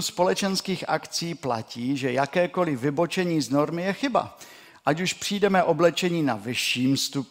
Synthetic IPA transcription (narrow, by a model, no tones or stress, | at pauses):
spo̞lɛt͡ʃɛnskiːxʔa̰kt͡siːpla̰ciːʒɛjakɛːko̞lɪvɪbo̞t͡ʃɛɲiːzno̞ɾmɪjɛxɪba̰ | ʔacuʃpr̝̥iːdɛmɛʔo̞blɛt͡ʃɛɲiːna̰vɪʃiːmst̪up